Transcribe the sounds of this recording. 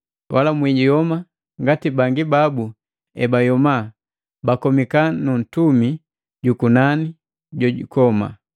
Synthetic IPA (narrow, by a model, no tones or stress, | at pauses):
wʔalamwiɟijɔma | ŋɡatibaŋɡibabu | ɛbajɔma | bakɔmikanun̩tumi | ɟukunani | ɟɔɟṵkɔma̰